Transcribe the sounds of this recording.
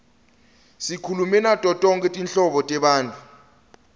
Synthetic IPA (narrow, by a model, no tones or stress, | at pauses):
sikʰulumɛnatʼɔtʼɔŋkʼɛtʼinɬɔɓɔtʼɛɓaːntʼu̥